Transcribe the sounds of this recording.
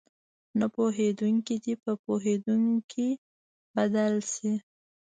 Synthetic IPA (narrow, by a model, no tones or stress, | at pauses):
napoɦed̪uŋkid̪ipəpoɦed̪uŋkʰi | bad̪alsi